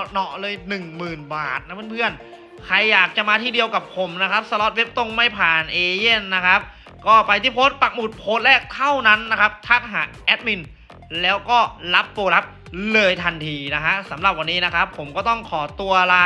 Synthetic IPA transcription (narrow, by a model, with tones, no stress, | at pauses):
nɔ˨˩lɤː˧jnɯ˨˩ŋmɯː˨˩nbaː˨˩t̪̚na˦˥pʰɯ˥˨npʰɯ˥˩ən | kʰɾa˧jːaː˨˩k̚t͡ɕa˨˩ʔmaː˧iː˥˩di˧əwka˨˩pʰo˩˦mna˦˥kʰɾa˦˥p̚sa˧lɔ˦˥t̪̚we˦˥p̚t̪o˥˩ŋma˥˩jpʰaː˨˩nʔeː˧je˥˩nːa˦˥kʰa˦˥p̚ | kɔː˥˩pa˧jt̪ʰiː˥˩pʰoː˦˥t̪̚pa˨˩k̚mu˨˩t̪̚pʰoː˦˥t̪̚lɛː˥˩k̚t̪ʰa˥˩wna˦˥nːa˦˥kʰa˦˥p̚t̪ʰa˦˥t̪̚ɦaː˩˦ʔɛː˦˥t̪̚mi˧n | lɛː˦˥wkɔː˥˩la˦˥p̚ːuː˧la˦˥p̚ | lɤː˧jt̪ʰa˧nt̪ʰiː˧na˦˥kʰa˦˥sa˩˦mɾa˨˩p̚wa˧nːiː˦˥na˦˥kʰa˦˥pʰːo˩˦mkɔː˥˩t̪ɔ˥˩ŋkʰɔː˩˦t̪u˧ɐlaː˧